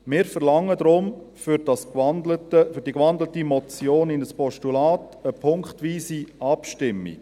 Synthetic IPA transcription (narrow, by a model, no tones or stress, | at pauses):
mɪːɾfəɾlɑŋːəd̪ɾʊm | fyɾd̥ɑsnətəfyɾdikʋɑndlətimɔt͡sjoːnɪnəspɔʃtulaːt | əpʰʊŋkχtʋiːsiɑpʃtɪmːḭ